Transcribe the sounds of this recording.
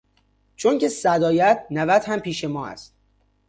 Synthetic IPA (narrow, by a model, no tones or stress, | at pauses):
t͡ʃʰonce̞sæd̪ɒːjæt̪̚ʰnævæt̪hæmpiːʃe̞mɒːæ̰st̪̚